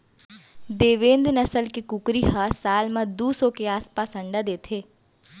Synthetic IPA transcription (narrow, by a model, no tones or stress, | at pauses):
d̪eːʋẽːnd̪nəsəlkekʊkɾihasaːlmãd̪uːsõkeaːspaːsɐ̃ɳɖad̪eːt̪ʰeː